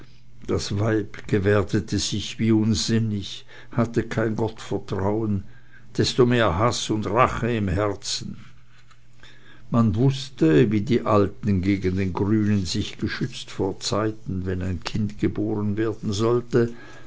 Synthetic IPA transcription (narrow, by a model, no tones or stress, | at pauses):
d̥asvaɪpɡ̥əvɛːɐdətʰəz̥ɪçviːʊnzɪnɪç | hatəkʰaɪnɡɔtfɛɐtʁ̥aʊən | d̥ɛstomeːɐɦasʊndʁaχəɪmhɛʁt͡sn̩ | manvʊstəviːdiːʔaltn̩ɡeːɡən̩deːnɡʁyːnənzɪçɡ̥əʃʏt͡stfoːɐt͡saɪtn̩vɛnaɪnkʰɪndɡ̥əboːʁənveːɐd̥n̩zɔltə